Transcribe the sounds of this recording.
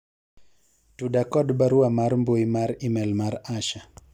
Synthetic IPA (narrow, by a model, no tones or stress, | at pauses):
tudakɔdbaɾuamaɾmboimaɾimɛlmaɾaʃa